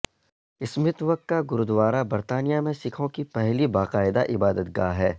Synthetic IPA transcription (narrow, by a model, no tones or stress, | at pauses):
ɪsmɪt̪ʋɐq̚t̪̚kaɡʊɾʊd̪ʋaːɾabɐɾt̪aːnijamẽsɪkʰõkipɛɦlibaːqaːɪd̪aʔɪbaːd̪ət̪ɡa̰ːɦɛː